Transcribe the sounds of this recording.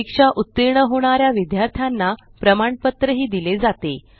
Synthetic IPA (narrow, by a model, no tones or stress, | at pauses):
ikʂaʔut̪ːiɾɳəɦoɽ̃aɾjaʋid̪jaɾt̪ʰjanːapɾəmaɳpət̪ɾəɦiːd̪iled͡zat̪e